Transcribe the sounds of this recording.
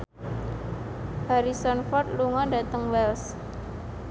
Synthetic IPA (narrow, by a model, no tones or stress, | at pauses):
haɾisɔnfɔrt̪̚luŋɔdat̪əŋwɛls